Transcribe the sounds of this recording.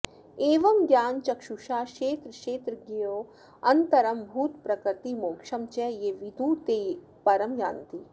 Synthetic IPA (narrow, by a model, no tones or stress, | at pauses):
eːʋɐmɡjaːnt͡ʃɐkʃuʃaːʃeːt̪ɾʃeːt̪ɾɡijoː | ɐnt̪ɐɾɐmbʱuːt̪pɾɐkɾɨɾt̪imoːkʂɐmt͡ʃɛjeʋid̪ʱuːt̪eː | pɐɾɐmja̰ːnt̪i